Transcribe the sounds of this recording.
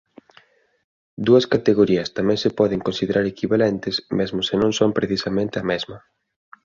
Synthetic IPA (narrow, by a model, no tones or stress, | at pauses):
d̪uɐskat̪eɣoɾiɐst̪amɛ̃ŋsɪpɔðeŋkõnsiðeɾaɾekiβalɛnt̪ɪsmezmʊsenõŋsompɾeθisamẽnt̪eɐmezmɐ